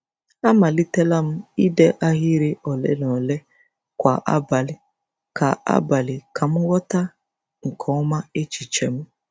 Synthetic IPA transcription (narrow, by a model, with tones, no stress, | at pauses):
a˦ma˨li˦te˦la˦m̩˦i˦dɛ˦ʔa˦ɦi˦ɾɪ˦ʔɔ˨lɛ̰˦nɔ˨le˦ | kʷa˨ʔa̰˦ba˨lɪ˨ | kʰa˨a̰˦ba˨lɪ˨kʰa˨m̩˦wɔ˦ta˦ | ŋ̩˨kʰɔ˨˦ma˦e˦t͡ʃi˨t͡ʃɛ˨m̩˦